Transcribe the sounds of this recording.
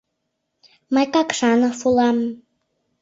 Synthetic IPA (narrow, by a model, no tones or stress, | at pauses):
mɑjkɑkʃɑnə̆fulˠɑm